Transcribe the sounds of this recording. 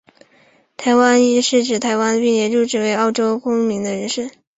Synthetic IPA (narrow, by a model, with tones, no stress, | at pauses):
t̪ʰa˧˥ɪwa˥ni˧˥ʂɻ̩˥˩ʈ͡ʂɻ̩˨˩t̪ʰa˧˥ɪwa˥npi˥˧ŋljɛ˧˥ɻu˥˧ʈ͡ʂɻ̩˥˩we˧˥ɪɑ˥˩ʊʈ͡ʂo˥ʊkʊ˥ŋmi˧˥ŋd̪ə˧ɻə˧˥ʂɻ̩˥˩